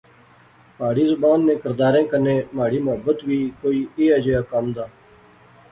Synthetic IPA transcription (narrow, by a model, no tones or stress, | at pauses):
paːɽiːzʊbaːnːẽːkəɾd̪aːɾẽːkəneːmaːɽiːmʊɦəbət̪ʋiːkoːiːeːəd͡ʒeːaːkəmd̪aː